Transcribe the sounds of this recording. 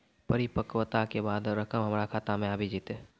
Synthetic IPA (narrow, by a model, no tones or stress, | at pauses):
pəɾɪpəkwət̪akebaːd̪ɾəkəmɦəmɾakʰaːt̪amẽaːbʱid͡ʒiːt̪e